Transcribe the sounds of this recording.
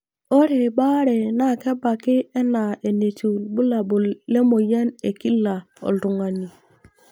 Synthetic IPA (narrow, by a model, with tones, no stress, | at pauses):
o˦ɾe˨ɓa˦ɾɛ˨na˦˨kɛ˦ba˨kɪ˦ɛ˦na˨e˨ne˨tu˨lbu˦la˨bu˨le˦mo˨ja˦ne˨ki˦la˨ | ɔ̰˨ldu˨ŋa˨ni˨